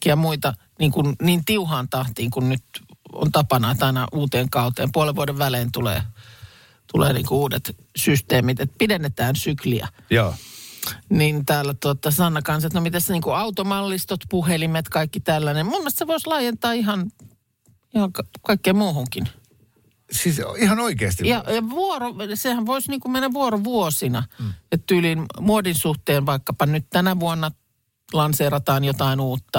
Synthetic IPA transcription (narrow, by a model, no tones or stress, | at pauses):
iɑmuit̪ɑ | niːŋkunniːnt̪iuhɑːnt̪ɑht̪iːŋkunnyt̪o̰nt̪ɑpɑnɑːt̪ɑinɑʔuːt̪eːŋkɑut̪ḛːmpuoleʋʋuodeʋʋæleːnt̪ulḛː | t̪ulḛːnḭːŋkouːdet̪ | syst̪eːmit̪et̪̚pidenːet̪æːnsykliæ̰ | joː | nint̪æːlːæt̪uot̪ɑsɑnːɑkɑnset̪nomit̪æsniːŋkuɑut̪omɑlːist̪ot̪puhelimet̪kɑikːit̪ælːænemmumːest̪seʋoislɑːjent̪ɑːihɑn | ihɑŋkkɑikːeːmmuːhuŋkin | sisihɑnoikeːst̪ijɑjɑʋuorosehæʋʋoisniːŋkummenːæʋuoroʋuosinɑet̪t̪ylinmuodinsuht̪eːnʋɑikːɑpɑnnyt̪t̪ænæʋuonːɑ | lɑnseːrɑt̪ɑːnjot̪ɑinuːt̪ːɑ